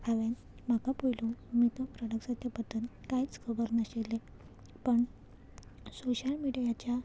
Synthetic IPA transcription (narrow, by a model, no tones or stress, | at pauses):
aʋen | m̤akapojlomit̪əpɾəɽəksat̪ʰjapət̪ənkajt͡skʰəbəɾnəɕelːe | pəɳ | soɕəlmiɽijat͡ɕja